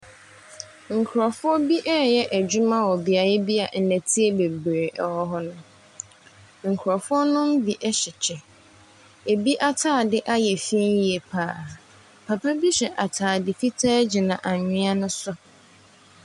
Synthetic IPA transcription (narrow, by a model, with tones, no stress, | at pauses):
ŋ̩˨kʰʊ˨ɾɔ˨fʊ˦ɔ˦bi˦ʔɛ˦jɛ˦ʔæ˨d͡ʑu˦mã˦wɔ˨bi˦a˨jɛ˦bi˦a˨ʔnæ̃˨tʰi˦e˦be˨bɾe˨ʔɔ˦ɦɔ˦nʊ̃˦ | ŋ̩˨kʰʊ˨ɾɔ˨fʊ˦ɔ˦nʊ̃˦m̩˦bi˨ʔɛ˦ɕɪ˨t͡ɕʰɛ˨ | e˨bi˦ʔa˦tʰaː˦˨dɪ˦ʔa˦jɛ˨fi˦n˦ji˨e˨pʰaː˦˨ | pʰa˨pʰa˦bi˦ɕɛ˨ʔa˨tʰaː˨dɪ˨fi˦tʰaː˦d͡ʑi˨nã˨ʔa˨ɲɪ̃˦a˦nʊ̃˦sʊ˦